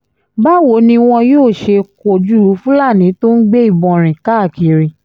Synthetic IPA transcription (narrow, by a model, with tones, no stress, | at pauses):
ba˦wo˨˦nĩ˧w̃ɔ̃˧joː˦˨ʃe˧ko˨d͡ʒu˦˨ɾu˨˦fũ˦la˦˨nĩ˨˦to˦n̩˦ɡ͡be˦i˦˨bɔ̃˧˨ɾ̃ĩ˨ka˦˨ki˨ɾĩ˨